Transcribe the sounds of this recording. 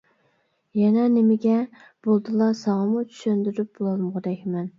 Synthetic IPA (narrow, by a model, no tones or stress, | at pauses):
jɛnɛnɪmɪɡʲɛ | b̥olˠd̪ɨlˠɑsɑŋɑmut͡ʃʰy̥ʃønd̪yɾyp̚bolˠɑlˠməʁd̪ɛkʲʰmɛn